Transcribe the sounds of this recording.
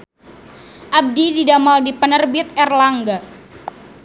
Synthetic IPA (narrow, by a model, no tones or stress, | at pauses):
ʔab̚dididamaldipənərbit̪ɛrlaŋɡa